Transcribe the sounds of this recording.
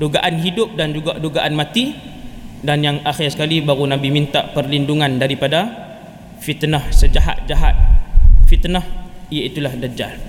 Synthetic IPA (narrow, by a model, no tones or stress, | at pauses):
duɡaʔanɦidʊp̚dand͡ʒuɡaʔduɡaʔanmat̪i | danjaŋaxɪrsəkalibaɾunabimint̪a̰ʔpərlinduŋandaɾipada | fit̪nɔhsəd͡ʒaɦa̰t̪̚d͡ʒaɦa̰t̪̚fit̪nɔhijait̪ulahdad͡ʒa̰l